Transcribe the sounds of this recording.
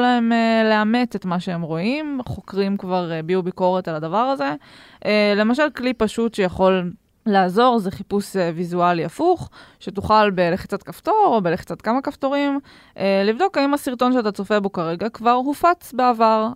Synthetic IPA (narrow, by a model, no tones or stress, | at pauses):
laemeleame̞tetmaʃeemʁo̞imχo̞kʁimkvaʁbiubiko̞ʁetaladavaʁaze̞ | ʔele̞maʃalklipaʃutʃejaχo̞lː | aːzo̞ʁzeχipusevizualiafuχʃetuχalbe̞leχit͡sat̪kafto̞ʁo̞beleχi̥t͡sat̪kamakaft̪o̞ʁim | ʔelivdo̞kaimasiʁt̪o̞nʃeatat͡so̞febo̞kaʁeɡakvaʁɦufat͡sbeavaʁ